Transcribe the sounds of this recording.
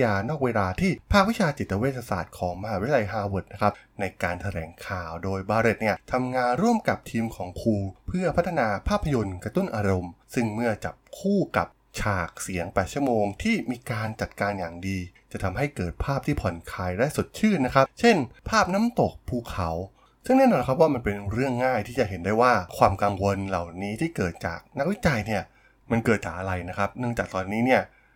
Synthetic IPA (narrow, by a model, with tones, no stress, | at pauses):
jaː˧nɔː˥˩k̚weː˧laː˧t̪ʰiː˥˩pʰaː˥˩k̚wi˦˥t͡ɕʰaː˧t͡ɕi˨˩t̪ːa˧weː˥˩t̪ʰːa˧sa̰ː˨˩t̪̚kʰɔː˩˦ŋma˧haː˧wi˦˥la˧jɦaː˧wo˨˩t̪̚na˦˥kʰa˦˥p̚na˧jkaː˧nt̪ʰa˧ɾɛ̰ː˩˦ŋkʰaː˨˩wdoː˧jbaː˧ɾe˨˩t̪̚ni˥˩ɐt̪ʰa˧mŋaː˧nɾu˥˩əmka˨˩p̚t̪ʰiː˧mkʰɔː˩˦ŋkʰuː˧pʰɯ˥˩ɐpʰa˦˥t̪ʰːa˧naː˧pʰaː˥˩pʰːa˧jo˧nkɾa˧t̪u˥˩nʔaː˧ɾo˧msɯ˥˩ŋmɯ˥˩ɐt͡ɕa̰˨˩p̚kʰuː˥˩ka̰˨˩p̚ | t͡ɕʰaː˨˩k̚si˩˦əŋpɛː˨˩t̪̚t͡ɕʰu˥˩ə˨moː˧ŋt̪ʰiː˥˩miː˧kaː˧nt͡ɕa˨˩t̪̚kaː˧njaː˨˩ŋdiː˧t͡ɕa˨˩t̪ʰa˧mɦa˥˩jkɤː˨˩t̪̚pʰaː˥˩p̚t̪ʰiː˥˩pʰɔ˨˩˦nkʰaː˧jlɛ˦˥su˨˩t̪̚t͡ɕʰɯː˥˩t̪̚na˦˥kʰa˦˥p̚t͡ɕʰe˥˩npʰaː˥˩p̚na˦˥mt̪o˨˩k̚pʰuː˧˩kʰːa˩˦w | sɯ˥˩ŋnɛː˥˩nɔː˧nkʰa˦˥p̚waː˥˩ma˧npe˧nɾɯ˥˩əŋːaː˥˩jt̪ʰiː˥˩t͡ɕa˨˩ɦe˩˦ndaː˥˩jwaː˥˩kʰwaː˧mka˧ŋwo˧nla˨˩wniː˦˥t̪ʰiː˥˩kɤː˨˩t̪̚t͡ɕa̰ː˨˩k̚na˦˥k̚wi˦˥t͡ɕa˧jni˥˩ɐ | ma˧nkɤː˨˩t̪̚t͡ɕaː˨˩k̚ʔa˧ɾa˧jna˦˥kʰa˦˥p̚nɯ˥˩əŋt͡ɕaː˨˩k̚t̪ɔː˧nːiː˦˥ni˥˩ɐ